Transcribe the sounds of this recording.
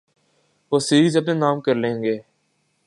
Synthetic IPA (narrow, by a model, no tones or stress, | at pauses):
ʋoːsiːzəp̬neːnaːmkəɾlẽːŋɡeː